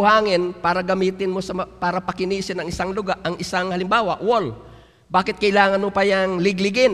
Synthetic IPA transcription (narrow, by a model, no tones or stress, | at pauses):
haːŋɪnpaːɾɐɡɐmiːt̪ɪnmosɐpaːɾɐpɐkɪniːsɪnɐŋɪsaŋlʊɡaʔɐŋʔɪsaŋhɐlɪmbaːwɐʔwol | baːkɪt̪̚kɐʔɪlaːŋɐnmopɐjɐŋlɪɡlɪɡɪn